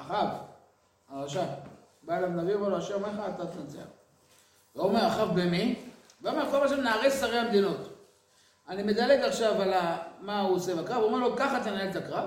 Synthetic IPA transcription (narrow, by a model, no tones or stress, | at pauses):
aχav | aʁaʃa | baelavnaviomeʁloaʃeomeaːt̪at̪nnt͡sea̰ | veomeʁaχavbemiveome̞ʁkolaʃ̬emnaːʁessaʁehamd̪ino̞t | animed̪aleɡaχʃavalamauosebakʁavuomelo̞kaχat̪̬anaelt̪akʁav